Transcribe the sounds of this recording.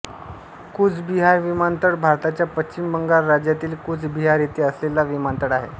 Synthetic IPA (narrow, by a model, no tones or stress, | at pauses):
kud͡zbiɦaɾʋimant̪əɽbʱaɾt̪at͡ɕjapət͡ɕt͡ɕimbəŋɡaɾːad͡ʑjat̪iːlkud͡zbiɦaɾjet̪iːəslelaʋimant̪əɽaɦḛ